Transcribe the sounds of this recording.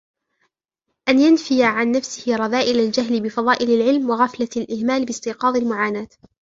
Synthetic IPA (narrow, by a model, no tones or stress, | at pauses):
ʔanjanfɪjaʕanːafsɪhɪɾˤɑðaːʔɪlald͡ʒaɦlbɪfɑðˤɑːʔɪlalʕɪlmwɑɣaflalʔɪhmaːlbɪst̪ɪqɑːðˤɪlmʊʕaːnaːt̪